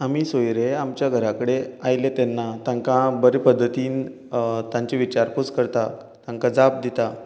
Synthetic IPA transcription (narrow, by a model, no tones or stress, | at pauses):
amiːsojɾeamt͡ɕjaɡʱəɾakəɽeajlet̪enːat̪ãŋkãbəɾepəd̪ʱːət̪iːn | t̪ãɲt͡ɕeʋit͡ɕaɾkut͡skəɾt̪a | t̪ãŋkad͡zap̚d̪it̪a